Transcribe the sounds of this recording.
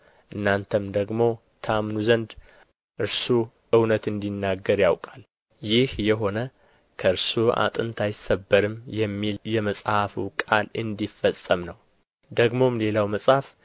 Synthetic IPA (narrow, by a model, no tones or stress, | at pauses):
ʔɨnːant̪ʰəmd̪əɡmo̞ | t̪ʰəamnuzənd̪ | ʔɨɾsu | ʔɨwnət̪ɨnd̪inːaɡːəɾjawkʼal | jɪhjɛɦo̞nə | kʰəɨɾsua̰t̪ʼɨnt̪ʰajɪsəbːəɾɨmjɛmːiljɛməsʼhafukʼalɨnd̪ifːəsʼəmnəw | d̪əɡmo̞mle̞lawməsʼhaf